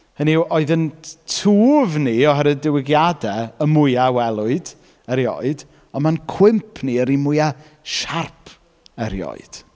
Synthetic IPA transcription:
həniʔoɨðəntʰuːvniɔɦəɾədɪwɪɡjadɛəmʊjawɛlˠʊɨd | əɾjo̰ɨd | ɔnmankʰw̥ɪmpʰniəɾimʊja | ʃarpʰ | əɾjo̰ɨd̥

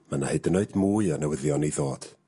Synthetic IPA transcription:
manahɨdənoɨdmuːɨanəwəðjɔniðoːd̥

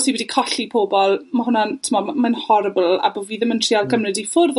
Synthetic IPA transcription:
siwidikʰɔɬipʰoːbɔlˠmaɦʊnantʰɪmɔmanhɔɾɪblˠa̰boviːðɪməntʰriːalˠkʰəmrɨdifʊrð

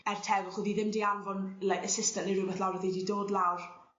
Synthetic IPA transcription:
ɛr̥tʰɛvʊχuːðiðɪmdianvɔnlaʔəsɪstəniɾʊbɛθlˠawrəðididoːdlawr

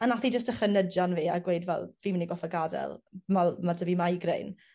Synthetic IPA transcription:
ənaθid͡ʒəstəχrənədjanviːa̰ɡweɨdvɛ̰lˠviːmɪniɡɔfəɡadɛ̰lˠmalˠmadəvimajɡrḛjn

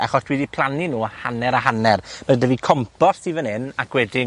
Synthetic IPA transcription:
a̰χɔsd̥wiːdipʰlˠaninuːahanɛɾaɦanɛrmədəvikʰɔmpɔsivənhɪnakwɛdɪ

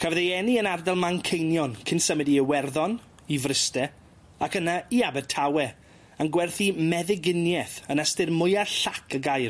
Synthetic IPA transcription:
kʰavðejɛniənardɛlˠmaŋkʰejnjɔnkʰɪnsəmɪdiəwɛrðɔn | ivrɪstɛ | akənaiabɛdtʰawɛ | anɡwɛrθimɛðɪɡɪnjɛθənastɨrmʊjaɬakʰəɡajr

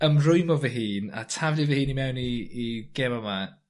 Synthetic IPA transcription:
əmrʊjmɔvɛɦiːna̰tʰavlɪvɛhiːnimɛwniːɡ̥ɛmaman

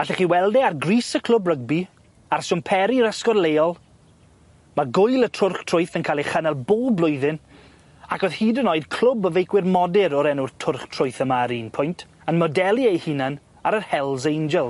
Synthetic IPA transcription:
aɬɛχiːwɛlˠdɛarɡriːsəkʰl̥ʊbrəɡ̚bi | arsʊmpʰɛɾiɾəskɔrlejɔlˠ | maɡʊjlˠətʰrʊrχtʰr̥ʊjθənkʰaːlˠiχənalˠboːblˠʊɨðɪn | akɔð̥hiːdənɔɨdkʰl̥ʊbəvejkwɪrmɔdɪɾɔɾɛnʊrtʰʊrχtʰr̥ʊɨθəmaɾiːnpʰʊjntʰ | ənmɔdɛlˠiejhɪnan | aɾərhɛlˠzejnd͡ʒɛlˠ

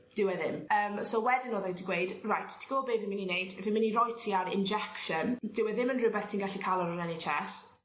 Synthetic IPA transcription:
d̥ɪwɛðɪməːmsowɛdɪnɔːðɛdiɡwejdrajtʰtʰi̥ɡ̥oːlˠbeːvɪmɪninejdvɪmɪnirɔjtʰiaɾɪ̰nd͡ʒɛkʃənd̥ɪwɛðɪmənrʊbɛθtʰiːnɡaɬikʰalˠɔɾənɛnet͡ʃʰɛs

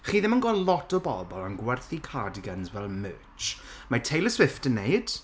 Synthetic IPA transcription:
χiːðɪmənɡɔlɔtɔbɔ̰bɔlˠanɡwɛrθikʰadɪɡansvɛlˠmø̰ːt͡ʃ | matʰejlˠəswɪftənːeɨd̥

